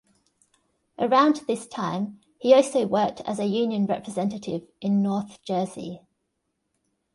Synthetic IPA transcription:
ʔəɹãʊ̃nðɪstʰãɪ̃m | hiɔˑlˠsəʊwɜˑk̚tʰə̰zəjʉːnjə̃nɹɛ̰pʰɹɪzɛ̃ntətʰɪvʔɪ̃nːɔˑθd̥d͡ʒ̥ɜːzḭ

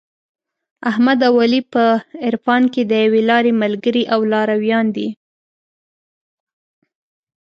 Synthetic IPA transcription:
ahmad̪awɑlipəɪɾfɑnked̪əjawelɑɾemalɡəɾiʔawlɑɾawjɑnd̪i

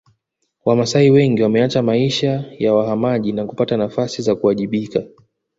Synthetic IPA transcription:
wamasaiwɛŋɡiwamɛat͡ʃamaiʃajawaɦamaʄinaku̥patanafasizakuaʄiɓika

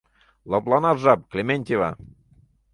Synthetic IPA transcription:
lˠoplˠɑnɑʒɑp̚klʲemʲenʲt̪ʲiva̰

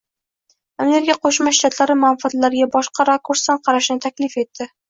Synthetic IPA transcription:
ameɾɪkʲaqʰoʃmaʃt̪ʰat̪ʰlaɾɪmʊanfɪat̪laɾɪɡʲabɒʃqʰɑɾakʰuɾsanqʰɑɾaʃɪnɪt̪ʰakʲlɪfe̞t̪ʰːɪ

